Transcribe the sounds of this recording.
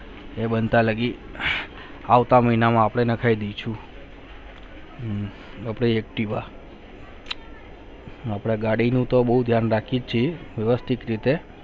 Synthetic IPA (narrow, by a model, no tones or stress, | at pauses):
ebənt̪aləɡi | aʋt̪aməɦinamãːpɽ̃enəkʰaid̪et͡ʃʰũ | apɽ̃eek̚ʈiʋa | apɽ̃eɡaɽinũt̪obəɦud̪ʱjanɾakʰid͡ʒt͡ʃʰiʋəʋəst̪ʰikɾit̪e